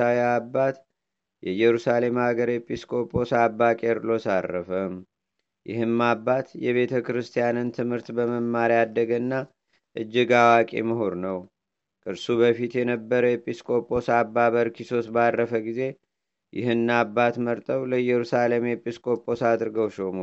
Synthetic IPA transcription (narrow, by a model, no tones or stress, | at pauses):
awɛabːat̪ | jɛjɛɾusale̞mhaɡəɾjɛpʼiskʼo̞pʼo̞sabːakʼeɾlo̞sarːə̰fəm | jɪ̰hɨmːabːat̪jɛβe̞t̪ʰəkɾɨst̪ʰijanɨnt̪ʰɨmhɨɾt̪bəməmːaɾad̪ːəɡənːa | ʔɨd͡ʒːɪɡawakʼḛməɦoɾnəw | kʼɨɾsuβəfit̪jɛnəbːəɾəjɛpʼiskʼo̞pʼo̞sabːaβəɾkʰiso̞sbarːəfəɡize̞ | jɪhɨnːabːat̪məɾt̪ʼəwləjːɛɾusale̞mjɛpʼiskʼo̞pʼo̞sad̪ɾɨɡəwʃomo